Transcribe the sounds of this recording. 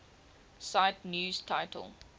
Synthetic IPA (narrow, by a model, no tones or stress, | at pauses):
saɪtnjuːz̥tʰaɪtʰə̰lˠ